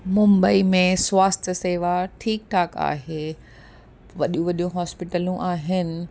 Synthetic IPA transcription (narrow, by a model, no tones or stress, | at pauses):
mʊ̃mbəimẽswaːst̪ʰəseːʋaʈʰiːk̚ʈʰaːka̰ːɦeː | ʋɐɗjũʋɐɗijũɦɔːspɪʈəlũʔaːɦɪnɪ̆